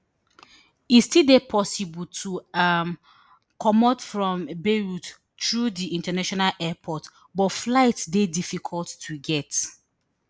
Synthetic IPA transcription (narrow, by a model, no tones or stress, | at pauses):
itstildepʰɔsibɔltʰuam | kʰɔmɔtfɹɔ̃mbeɹut | tɹudiĩntənaʃɔnalʔɛpʰɔt | bɔtflaɪtsdedifikʰɔltːʰuɡɛt